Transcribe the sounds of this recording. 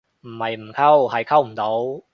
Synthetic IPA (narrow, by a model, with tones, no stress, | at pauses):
m̩ː˨˩ma˨˧˩jm̩˨˩kʰa˥˩wha˨˧˩jkʰa˥˩wm̩˨˩t̪o˨˥w